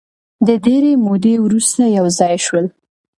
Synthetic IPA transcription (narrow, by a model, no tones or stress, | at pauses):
d̪əd̪eɾemod̪ewɾust̪ajawzɑjʃwəl